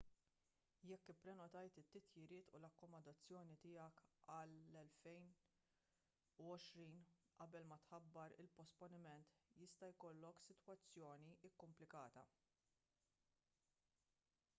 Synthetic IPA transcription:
jɛkːɪpːɾɛnɔt̪ɐjt̪ɪt̪ːɪt̪jɪɾɪːt̪ṵlɐkːɔmɐnd̪ɐt͡sːjɔːnit̪ɪːjɐkɐlːɛlfɛjn | uɔʃɾiːn | ʔɐbɛlmɐt̪ħɐbːɐɾɪ̰lpɔspɔnɪmɛnt̪jɪst̪ɐjkɔlːɔksɪt̪wɐt͡sːjɔːniʔɪkːʊmplɪkɐːt̪ɐ̰

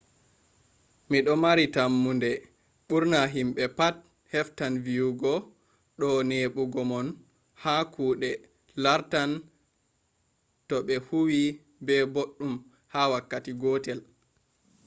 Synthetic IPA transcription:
miɗɔmaɾitamːundɛ | ɓuɾnaɦimɓɛpat̚ | hɛftanvijuɡɔ | ɗɔneːɓuɡɔmɔn | hakʰuːɗɛ | laɾtan | tɔɓɛhuwi | bɛboɗːum | hawakːatiɡɔtɛl

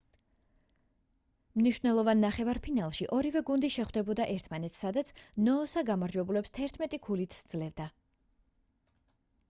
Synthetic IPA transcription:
mniʃwvnɛlˠɔvanːaχɛvaɾpʰinalˠʃiʔɔɾivɛɡund̪iʃɛχwd̪ɛbɔd̪aʔɛɾt̪ʰmanɛt̪ssad̪at̪sʰnɔːsaɡamaɾd͡ʒwɛbulɛpst̪ʰɛɾt̪ʰmɛt̪ʼikʰulit̪ʰsd̪z̥lɛvd̪a

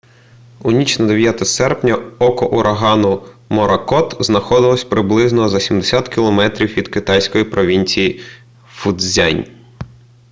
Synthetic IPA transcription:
unʲit͡ʃnɐd̪eʋʲjat̪ɐsɛrpnʲɐɔkɔʔuɾʔɐɦɑnʊmɔɾɐkɔt̪znɐxɔd̪ɪlˠɔsʲpɾɪblˠɪznɔzɐsʲimd̪esʲat̪kʲilˠɔmɛt̪ɾʲiwʋʲid̪̥kɪt̪ɑjsʲkɔjipɾɔʋʲinʲt͡sʲiji | fʊd̪zʲanʲ

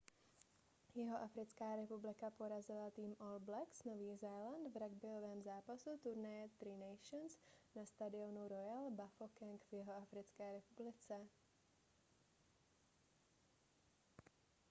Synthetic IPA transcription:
jɪɦoʔafɾɪt͡skaːɾɛpublɪkapo̞ɾazɪlat̪iːmʔolblɛksnoviːzajland̪vɾaɡbɪlovɛːmzaːpasut̪uɾnajɛt̪ɾinɛjʃonsnast̪adɪonuɾo̞jalbafokɛŋkvjɪɦoafɾɪt͡skɛːɾɛpublɪt͡sɛ

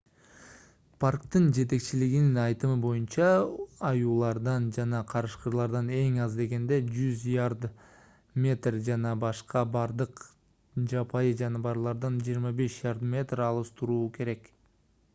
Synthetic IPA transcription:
pʰarkt̪ɯnd͡ʒe̞t̪e̞kt͡ʃiliɡininɑjt̪ɯmɯbo̞junt͡ʃɑːjuːlˠɑɾd̪ɑnd͡ʒɑnɑqʰɑɾɯʃqəɾlˠɑɾd̪ɑne̞ŋɑzd̪e̞ɡe̞nd̪e̞d͡ʒyzjaɾd̪ | mʲe̞t̪rd͡ʒɑnɑbɑʃqɑbɑɾd̪ɯq | d͡ʒɑpʰɑjɯd͡ʒɑnɑbɑɾlˠɑɾd̪ɑnd͡ʒijːɾmɑbe̞ʃjaɾd̪mʲe̞t̪rɑlˠɯst̪ʰuɾuːkʰe̞ɾe̞k

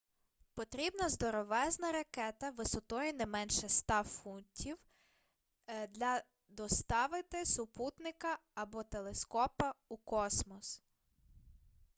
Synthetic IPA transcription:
pɔt̪ɾʲibnɐzd̪ɔɾɔʋɛznɐɾɐkɛt̪ɐʋɪsɔt̪ɔjɛnɛmɛnʃɛst̪ɑfunʲtʲʰiw | d̪lʲɐ | d̪ɔst̪ɑʋɪt̪ɪsʊput̪nɪkɐɐbɔt̪elˠeskɔpɐukɔsmɔs

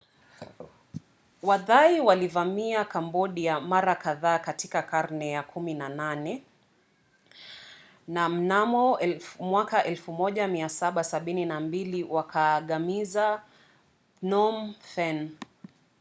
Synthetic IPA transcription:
waðaiwalivamiakambɔɗiamaɾakaðaːkatikakaɾnɛjakʰuminananɛ | nam̩namɔmwakaʔɛlfumɔʄamiasaɓasaɓininambiliwakaɠamiza | nɔmfɛn

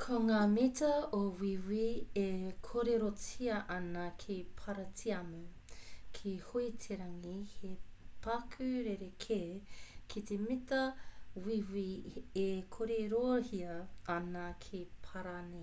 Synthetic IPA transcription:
kʰoŋaːmitɐowiwiekʰoɾeɾot͡sʰiɐʔɐnɐkʰipʰɐɾɐtʰiɐmukʰihoitʰeɾɐŋihepɐkʰʉɾeɾekʰeːkʰitemitɐwiwiekʰoɾeɾohiɐːnɐkʰipʰɐɾane

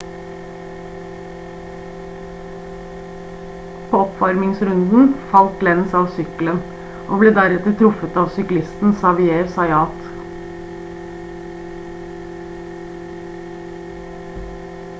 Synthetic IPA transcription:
pʰoːɔpfɑɾmɪŋsɾʉnd̪n̩fɑlt̪lɛnsɑːʋsʏklən | ʔoːbleːd̪æɾɛt̪əɾt̪ʰɾʊfət̪ɑːʋsʏklɪst̪n̩sɑʋɪeːsɑɪɑːt̪

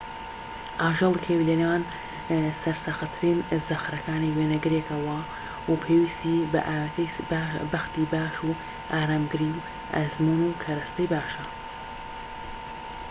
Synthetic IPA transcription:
ʔaːʒɐlˠkʰewlenaːn | sɐɾsɐxɐt̪ʰɨɾinzɐxɾɐkaːniweːnɐɡɨɾekɐwɐ | wɐpʰeːwiːst̪ibɐ̰ʔaːwt̪ʰɐjbɐxt̪iːbaːʃu | ʔaːɾaːmɡɨɾiːw | ʔɐ̰zmunuːkʰɐɾɐst̪ɐjbaːʃɐ

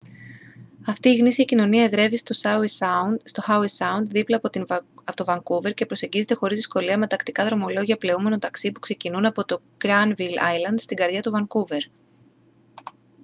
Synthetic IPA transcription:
ɐft̪iːɣnisiɐcino̞niɐeðɾe̞vist̪o | st̪o̞xɐuisɐund̪ðiplɐɐot̪o̞vɐŋkuve̞ɾce̞pɾo̞se̞ɲɟize̞t̪e̞xo̞ɾizðisko̞liɐme̞t̪ɐkt̪ikɐðɾo̞mo̞lo̞ʝiɐple̞ume̞no̞t̪ɐksipu̥kse̞cinunɐpot̪o̞ | ɡ̥ɾɐnvilɐ̰jlɐnd̪st̪iɡɐɾðʝɐt̪uvɐŋkuve̞ɾ

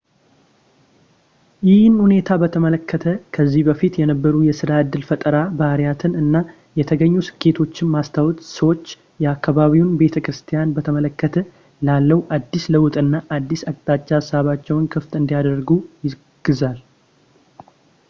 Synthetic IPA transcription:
jɪhɨnhune̞t̪ʰabət̪ʰəmələkːət̪ʰəkʰəzːihbəfit̪jɛnəbːəɾujɛsɨɾaɨd̪ːɨlfət̪ʼəɾabaɾijat̪ʰɨnɨnːa | jɛt̪ʰəɡəɲːusɨ̥kʰːe̞t̪ʰo̞t͡ʃːɪnmast̪ʰawt̪ʼsəwo̞t͡ʃː | jɛakːaβaβiwunbe̞t̪ʰəkɾɨst̪ʰijanbət̪ʰəmələkːət̪ʰə | lalːəwʔad̪ːisləwt̪ʼɨnːaʔad̪ːisakʼt̪ʼat͡ʃʼːasːaβat͡ʃːɛwnkʰɨft̪ɨnd̪ijad̪əɾɡujɪ | ɡ̥ɨzal

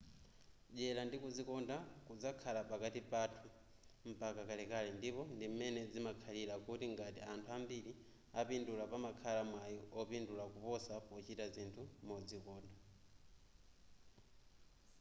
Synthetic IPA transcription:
ʄɛlandikuzikɔndakud͡zakʰalapakatipatʰu | m̩pakakalɛkalɛndipɔndim̩mɛnɛd͡zimakʰalilakutiŋɡatḭantʰuambili | apindulapamakʰalamwajɔɔpindulakupɔsapɔt͡ʃitazintʰumɔd͡zikɔːnda

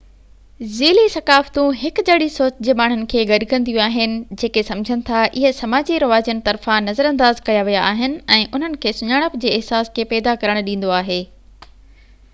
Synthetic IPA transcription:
ziːlisɐkaːft̪ũɦɪk̆d͡ʑɐɽisoːt͡ɕd͡ʑeːmaːɳ̤ʊnɪ̆kʰeːɡɐɗkɐ̃nd̪ijũaːɦɪnɪ̆d͡ʑeːkesɐmd͡ʑʱənɪ̆t̪ʰaʔɪɦə̆sɐmaːd͡ʑiɾɐʋaːd͡ʑijənɪ̆t̪ɐɾfãnɐzəɾɐ̃nd̪aːzkɐjaʋijaaːɦɪnɪ̆ɛ̃ːʔʊn̤ənɪ̆kʰeːsʊɲaːɽ̃əpd͡ʑeːɪɦsaːskʰeːpɛːd̪akɐɾəɽ̃ɗĩːn̆d̪oaːɦeː

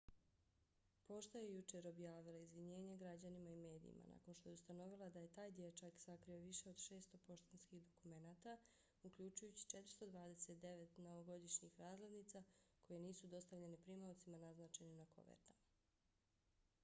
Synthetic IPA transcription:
po̞ʃt̪ajejut͡ʃe̞ɾo̞bjaːʋilaizʋiɲe̞ːɲeɡɾad͡ʑanimaime̞ːd̪ḭḭmʔa̰na̰ko̞nʃt̪ojust̪ano̞ʋilˠad̪aje̞t̪aːjd̪jet͡ʃaksakɾio̞ʋiʃe̞o̞d̪ʃe̞ːst̪o̞po̞ʃt̪enskiɣd̪o̞kume̞naːt̪a | ukʎut͡ʃujut͡ɕi̥t͡ʃe̞t̪ɾ̥̩st̪o̞d̪ʋaːd̪e̞se̞t̪d̪e̞ʋet̪no̞ʋoɡo̞d̪iʃɲixɾaːzled̪nit̪sako̞jeniːsud̪o̞st̪aʋʎe̞nepɾimawt̪simanaznaːt͡ʃe̞nenako̞̰ʋḛɾt̪ama

